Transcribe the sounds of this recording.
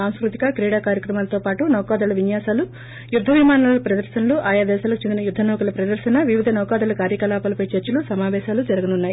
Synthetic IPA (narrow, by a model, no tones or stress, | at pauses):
aːnskɾut̪i̥kɐkɾiːɽaːkaːɾjɐkɾɐmaːlɐt̪o̞ːpaːʈunɐːkaːd̪ɐlɐʋinjaːsaːlu | jud̪ʱːɐʋimaːnaːlɐpɾɐd̪ɐɾʃɐnɐluʔaːjaːd̪ɛːʃaːlɐkut͡ʃend̪inɐjud̪ʱːɐnɔːkɐlɐpɾɐd̪ɐɾʃɐnɐʋiʋid̪ʱɐnɔːkaːd̪ɐːlɐkaːɾjɐkɐlaːpɐːlɐpɐjt͡ʃɐɾt͡ʃɐlusɐmaːʋɛːʃaːlud͡ʒɐɾɐɡɐnunːaːji